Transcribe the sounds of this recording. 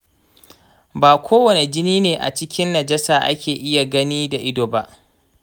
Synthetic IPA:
baː˨kʷoː˦wɐ˨ne˨d͡ʒɪ˦niː˦neː˨ʔa̰˨t͡ʃɪ˦kʲɪ˦nːɐ˨d͡ʒɛ˦saː˨ʔa̰˦kʲeː˨ʔɪ˦ja˨ɡɐ˦niː˦da˨ʔɪ˦doː˨ba˦ʔ

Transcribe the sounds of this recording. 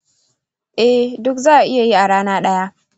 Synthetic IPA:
ʔɛ˦dʊ˦kzaː˦ʔa˨ʔɪ˦ja˨ji˦ʔa˨ɽaː˦naː˦ɗɐ˦ja˦

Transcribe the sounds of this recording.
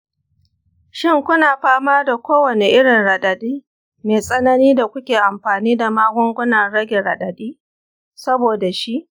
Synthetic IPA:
ʃɪ˦ŋkʷʊ˦naː˨ɸaː˦maː˦da˨kʷʰoː˦wɐ˨ne˨ʔɪ˦ɽɪ˨nɽɐ˨ɗɐ˨ɗiː˦ | meː˨sʼɐ˦nɐ˦niː˦da˨kʷʊ˦kʲeː˨ʔa˨mɸaː˨niː˦da˨maː˦ɡʷʊ˦ŋɡʷʊ˦nɐ˨ɽɐ˦ɡʲe˨ɽɐ˨ɗɐ˨ɗiː˦ | sɐ˦boː˨da˨ʃi˦ʔ

